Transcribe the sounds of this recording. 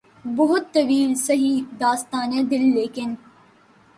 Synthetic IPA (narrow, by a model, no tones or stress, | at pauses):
bʊɦʊt̪ːɐʋiːlsɐɦiːd̪aːst̪aːnɛ̃ːd̪ɪlːeːkɪn